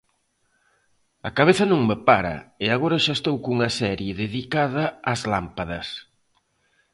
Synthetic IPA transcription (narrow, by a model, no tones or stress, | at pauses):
ɐkaβeθɐnõŋmepaɾɐ̰ɪaɣoɾɐʃaest̪owkuŋɐsɛɾjeðeðikaðɐːzlampaðɐs